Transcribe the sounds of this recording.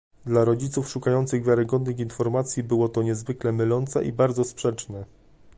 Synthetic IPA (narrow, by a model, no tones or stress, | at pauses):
d̪laɾɔd͡ʑit̪sufʂukajɔnt̪sɘɣvʲjaɾɘɡɔd̪nɘxinfɔɾmat̪sʲjibɘwɔt̪ɔɲɛzvɘklɛmɘlɔnt̪sɛ̰ʔibaɾd̪zɔspʂɛt͡ʂnɛ